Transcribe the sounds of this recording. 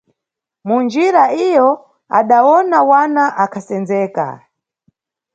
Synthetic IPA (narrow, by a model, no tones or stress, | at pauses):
mund͡ʒiɾaijɔ | a̰ɗawɔnawanaʔakʰasɛnd͡zɛːka̰